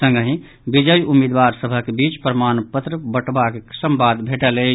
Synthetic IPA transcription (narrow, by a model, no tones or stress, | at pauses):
sə̃ŋɡəɦĩ | bid͡ʒəjumid̪ʋaɾsəbʱəkebit͡ʃpɾəmanpət̪ɾəbəʈʰbakesəmbad̪bʱeʈələ